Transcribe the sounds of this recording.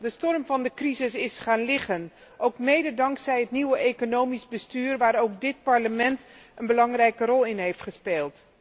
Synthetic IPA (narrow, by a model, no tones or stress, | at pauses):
dəstɔrmvɑndəkrizɪsɪsχaːnlɪχən | ʔowkmejdədɑŋksɛjɦətniwəʔejkonowmizbəstyːrʋaːɾowk̚dɪt̚pɑɹləmɛnt | ənbəlɑŋrɛjkərɔlˠɪnɦejftχəspeːlˠt